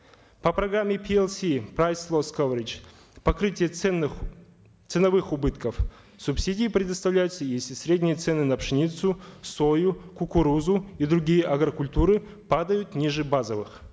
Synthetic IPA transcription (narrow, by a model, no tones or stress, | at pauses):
pɐpɾɐɡɾamʲːɪpʲʰiɛlˠsʲipɾajslˠoskovɾʲɪt͡ʃ | pɐkɾɨtʲɪjə | t̪sɨnɐvɨxʊbɨt̪kəf | sʊpsʲidʲiːpɾʲɪd̪ɐst̪ɐvlʲæjʊt̪səjesʲlʲɪsʲɾʲedʲnʲijət̪sɛnɨnɐpʂɨnʲit̪sʊsojʊkʊkʊɾuzʊid̪ɾʊɡʲijəʔɐɡɾɐkʊlʲt̪uɾɨ | pad̪əjʊt̪nʲiʐɨbazəvɨx